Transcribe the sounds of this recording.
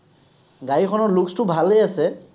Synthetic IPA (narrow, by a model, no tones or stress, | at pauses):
ɡaɹikʰɔnɔɹlukstʊbʱalejasɛ